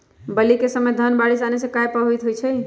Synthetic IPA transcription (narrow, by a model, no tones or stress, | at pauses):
bəlikesəməd̪ʱənbaɽisanesẽkajpəɦuit̪ɦujt͡ʃʰɛ